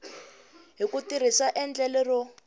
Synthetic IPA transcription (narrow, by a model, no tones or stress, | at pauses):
ɦikutir̤isaʔɛnd͡ɮɛlɛrɔ